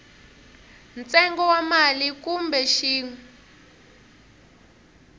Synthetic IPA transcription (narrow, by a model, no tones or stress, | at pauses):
nt͡sɛŋɡɔwamalikumbɛʃiːŋɛ